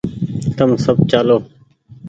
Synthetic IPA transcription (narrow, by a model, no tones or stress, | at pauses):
t̪əmsəbt͡ʃaːloː